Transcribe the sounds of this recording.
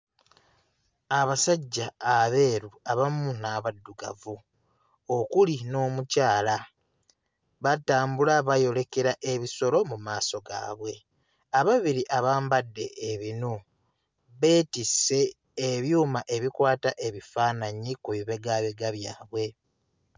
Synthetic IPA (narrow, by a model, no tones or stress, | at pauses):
aβasaɟːaːβe̞ːɾuaβamunaβadːuɡa̰vu | okulino̞ːmucaːla | βataːmbulaβajo̞le̞ke̞ɾaʔe̞βiso̞lo̞mumaːso̞ɡa̰ːβwe̞ | aβaβiɾiʔaβaːmbadːe̞ːβino | βe̞ːtise̞ː | βjuːmaʔe̞βikwaːtaʔe̞βifaːnaɲikuβiβe̞ɡaβeɡaβjaːβwe̞